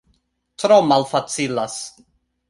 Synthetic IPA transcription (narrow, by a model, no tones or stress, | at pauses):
tɾomalfat͡silas